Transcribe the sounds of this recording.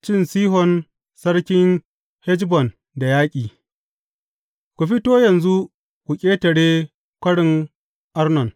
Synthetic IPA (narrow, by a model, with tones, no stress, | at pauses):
t͡ʃɪ˦nsiː˦ɦɔ˨n | sɐ˦ɽkʲɪ˦ŋ | hɛ˦d͡ʒbɔ˨n | da˨jaː˦kʲʼiː˨ | kʷu˨ɸi˦toː˦jɐ˨nzu˦ | kʷu˨kʲʼeː˦tɐ˨ɽeː˦ | kʷɐ˦ɽɪ˨ŋ | ʔa˦rnɔ˨n